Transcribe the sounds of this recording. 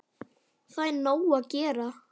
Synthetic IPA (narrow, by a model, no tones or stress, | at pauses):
θajnoːwaðcɛːɾa